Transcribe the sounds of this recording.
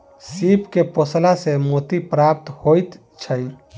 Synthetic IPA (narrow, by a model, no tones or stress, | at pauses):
sipkeposlasemot̪ipɾap̚t̪hojt̪ | t͡ʃʰəj